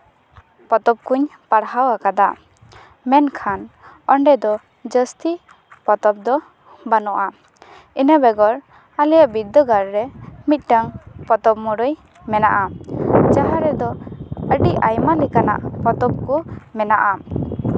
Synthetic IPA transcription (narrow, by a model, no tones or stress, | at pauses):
pɔt̪ɔp̚kuɲpaɽɦawakad̪a | mɛnkʰan | ɔɳɖɛd̪ɔ | d͡ʒəst̪i | pɔt̪ɔp̚d̪ɔ | banɔʔa | inəbɛɡɔɾ | alijaʔbid̪ːɔɡaɾɾɛmit̪̚ˀʈaŋpɔt̪ɔp̚mɔɽɔj | mɛna̰ʔad͡ʒaɦaɾɛd̪ɔəɖiʔajmalɛkana̰ʔpɔt̪ɔp̚kumɛnaʔa